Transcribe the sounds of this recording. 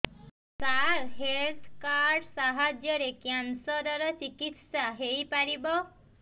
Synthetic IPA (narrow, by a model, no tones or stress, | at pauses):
kaɾɦelt̪ʰkaɾɾɖsaɦad͡ʒjɔɾekjansɔd̪aɾɔt͡ʃikit̪saɦejpaɾibɔ